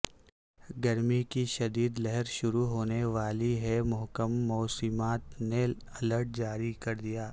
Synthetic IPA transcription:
ɡɐɾmikiʃɐd̪iːd̪lɛɦɛɾʃʊɾuɦoːneʋaːliɦɛmʊɦkəmːɔːsɪmaːt̪ne | ɐləɾʈ̚d͡ʒaːɾikɐɾd̪ijaː

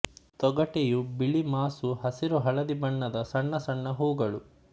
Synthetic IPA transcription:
t̪ɔɡɐʈejubiɭimaːsuɦɐsiɾuɦɐɭɐd̪ibɐɳːɐd̪ɐsɐɳːɐsɐɳːɐɦuːɡɐɭu

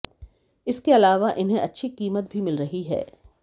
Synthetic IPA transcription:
ɪskeɐlaːʋaʔɪnɦẽʔɐtːʃʰiqiːmət̪̚bʱimɪlɾɐɦiɦɛ̰ː

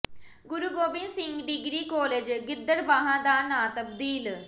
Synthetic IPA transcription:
ɡʊɾuːɡoːbɪ̃nsɪ̃ŋɡɖɪɡɾiːkoːleːd͡ʒɡɪd̪ːəɽbaːɦãːd̪aːnaːt̪əb̚d̪iːl

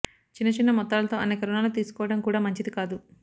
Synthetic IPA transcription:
t͡ʃinːɐt͡ʃinːɐmɔt̪ːaːlɐt̪o̞ːɐneːkɐɾunaːlut̪̬iːsu̥kɔːʋɐɽɐmkuːɽaːmɐɲt͡ʃid̪ikaːd̪u

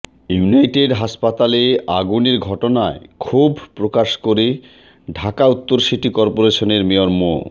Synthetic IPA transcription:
juunajʈeɖɦaʃpat̪aleaɡuniɾɡʱɔʈonaekʰubʱpɾokaʃkoɾi | ɖʱakaut̪ːoɾʃiʈikɔɾpoɾeʃoneɾmioɾmo̰

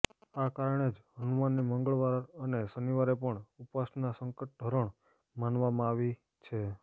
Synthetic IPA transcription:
akaɾəɳ̃ed͡ʒɦənumanːiməŋɡəɭʋaɾənesəniʋaɾepəɳupasnnasəŋkəʈ̚d̪ʱəɾəɳ | manʋamãaʋi | t͡ʃʰe

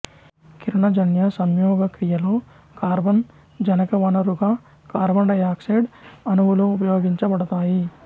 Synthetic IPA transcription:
kiɾɐɳɐd͡ʒɐnjɐsɐmjɔːɡɐkɾijɐloː | kaːɾbɐn | d͡ʒɐnɐkɐʋɐnɐɾuɡaː | kaːɾbɐnɖɐjaːkseɖɐnuʋuloupɐjoːɡiɲt͡ʃɐbɐɽɐt̪aːji

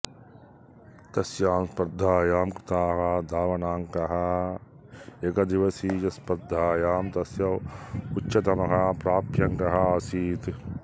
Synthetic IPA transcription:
t̪ɐsjaːmspɐɾd̪ʱːaːjaːmkɾɪt̪aːɦad̪aːʋɐnaːŋkɐɦɐ | ekɐd̪iʋɐsiːt͡ʃɐspɐɾd̪ʱːaːjaːmt̪ɐsjɐut͡ʃːʃɐt̪ɐmɐkapɾaːpʰjɐŋkɐɦɐɐsiːt̪

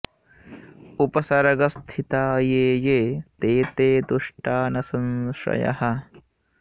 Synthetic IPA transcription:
upɐsɐɾɐɡɐst̪ʰit̪aːjeːjeːt̪eːt̪eːd̪uʂʈaːnɐsɐnʃɾɐ̰jɐ̰hɐ̆

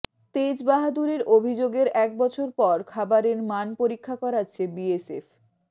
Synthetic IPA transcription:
t̪ed͡ʑbaɦad̪uɾeɾobʱid͡ʑoɡeɾɛk̚bɔt͡ɕʰoɾpɔɾkʰabaɾeɾmanpoɾikʰːakɔɾatːɕʰebiesef

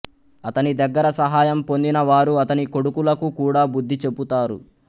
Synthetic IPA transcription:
ɐt̪ɐnid̪ɐɡːɐɾɐsɐɦaːjɐmpo̞nd̪inɐʋaːɾuɐt̪ɐniko̞ɽukulɐkukuːɽaːbud̪ːit͡ʃe̞but̪aːɾu

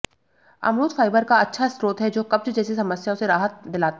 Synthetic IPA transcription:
ɐ̰mɾuːt̪faːɪbəɾkaɐtːʃʰasɾoːt̪ɦɛd͡ʒoːkɐb̚t͡ʃd͡ʒɛːsisɐməsjaõseɾaːɦət̪̚d̪ɪlaːt̪a

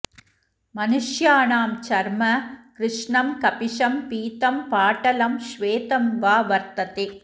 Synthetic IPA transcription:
mɐnɯʂjaːnaːmt͡ʃɐɾmɐkɾɪʂɳɐmkɐpɪʂɐmpiːt̪ɐmpaːʈɐlɐmʃʋeːt̪ɐmʋaːʋɐɾt̪ɐt̪e

